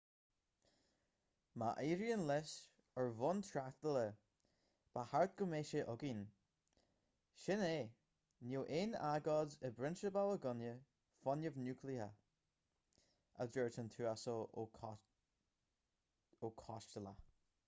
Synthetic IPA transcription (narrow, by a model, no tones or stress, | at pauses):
maʔeːɾiənlɛs | əɹvɔnt̪ʰɹaθd̪ələ | b̥ahaɹt̪̚ɡ̥ʊmeːʃəʔʊɡin | ʃɪneː | nuwʔeːnaɡɔdəbɾɪnʃəbawəɡʊnjə | fɔnəvnjukʰlia̰ | ə̰dəɹtʰənt̪ʰuːaso | okʰɔʃtəla̰